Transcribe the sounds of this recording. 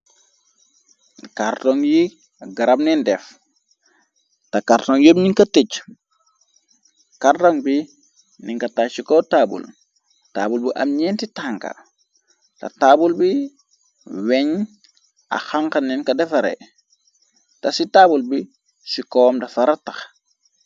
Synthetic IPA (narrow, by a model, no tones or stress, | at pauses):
kaɾtɔŋji | ɡaɾab̚nindɛf | takaɾtɔŋjobniŋkɐtiɟ | kartoŋbi | niŋkɐtasikɔtabṵl | ta̰ːbulbiʔɐ̰mɲɛntitaŋka̰ | tɐ̰tabulbi | wɛɲ | a̰xaŋkaninkɐdɛfɐɾḛ | tɐsitaːbulbi | sikɔmdɐfɐɾatɐx